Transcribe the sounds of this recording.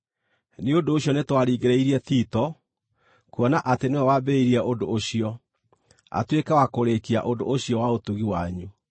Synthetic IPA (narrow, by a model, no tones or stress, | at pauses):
neondoːɕiɔnetwaɾiɣeɾɛiɾiɛθiːtɔ | kuɔnaʔateneɛwabɛiɾiɛʔodooɕiɔ | a̰twekɛwakoɾekia̰ʔodo̰oɕiɔwaotuɣiwaɲu